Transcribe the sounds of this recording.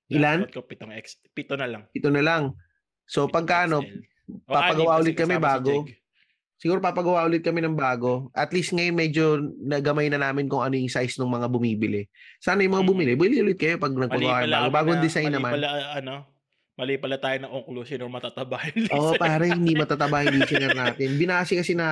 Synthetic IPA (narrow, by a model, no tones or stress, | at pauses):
ɪlanpɪt̪oŋɛks | pit̪onɐlaŋpɪt̪onɐlaŋ | so̞pɐɡ̚kaʔɐno̞ | pɐpɐɡɐwaʔʊlɪt̪kɐmɛbaːɡo̞ | sɪɡuːɾopɐpɐɡɐwaʔʊlɪt̪̚kɐmɛnɐŋbaːɡo̞ʔɐt̪list̪̚ŋɐjonmɛd͡ʒo̞nɐɡɐmajnɐnaːmɪnkʊŋɐnojʊŋsajsnoŋmɐŋabʊmiːbɪlɛsaːnɐjʊmɐŋabʊmɪlɛbʊliʔʊlɪt̪̚kɐjo̞pɐɡ̚nɐɡpɐɡɐwanɐŋbaːɡɡobaːɡoɐnd̪ɪsajnːɐmanlɐno | mɐlipɐlɐt̪aːjonɐʔoŋklosɪnomɐt̪at̪ɐbaːhɪnlʔoːʔopaːɾɐhɪnd̪imɐt̪at̪ɐbaːhɪnd̪isɪnɐɾnaːt̪ɪnbɪnaːsɪkɐsɪnɐ